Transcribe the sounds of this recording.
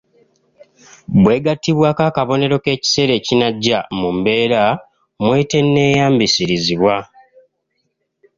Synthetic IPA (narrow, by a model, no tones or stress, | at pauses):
bwe̞ːɡatːiβwaːkaːkaβo̞ne̞ɾo̞ke̞ːci̥se̞ɾe̞cinaɟːamumbe̞ːɾa | mwe̞te̞nːe̞ːjaːmbisiɾiziβwa